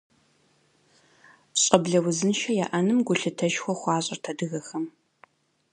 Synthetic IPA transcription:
ɕʼɐbɮɐwʊzɨnʃɐjaːʔɐnɨmɡʷʊɬɨtʰɐʃxʷɔχʷɑːɕʼɐ̰rtʰɐdɨɣɐxɐm

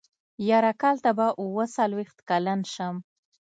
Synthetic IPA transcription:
jɑɾakɑlt̪abaʔuwəsalwext̪kalanʃəm

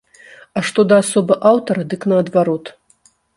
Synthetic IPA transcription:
aʂt̪ɔd̪ɐːsɔbɨʔawt̪ɐɾɐd̪ɨknɐɐd̪vaɾɔt̪

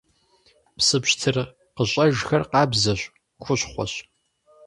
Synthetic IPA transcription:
psɨpɕtʰɨr | qəɕʷʼɐʒxɐrqɑːbzɐɕʷʼ | xʷʊɕχʷɔ̰ɕ

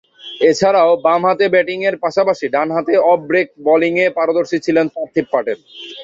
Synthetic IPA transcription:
et͡ɕʰaɾaobamɦat̪ebɛʈiŋeɾpaʃapaʃiɖanɦat̪eɔbɾek̚bɔliŋepaɾod̪oɾʃit͡ɕʰilenpaɾt̪ʰippaʈeɾ

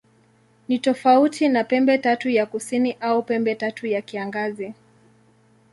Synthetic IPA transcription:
nitɔfautʰinapɛmbɛtatujakusiniʔaupɛmbɛtatujakiaŋɡazi

